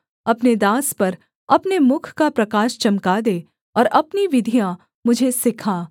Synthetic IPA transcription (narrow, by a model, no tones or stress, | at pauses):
ɐpned̪aːspɐɾ | ɐpnemʊkʰkapɾɐkaːʃt͡ʃɐmkad̪eː | ɔːɾɐpniʋɪd̪ʱijã | mʊd͡ʒʱesɪkʰaː